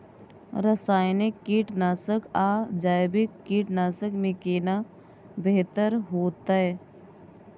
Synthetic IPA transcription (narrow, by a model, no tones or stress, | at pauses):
ɾəsaːjnɪkːiːʈnaːsəkaːd͡ʒaːjbɪkːiːʈnaːsəkmẽkeːna | beɦt̪əɾɦoːt̪ae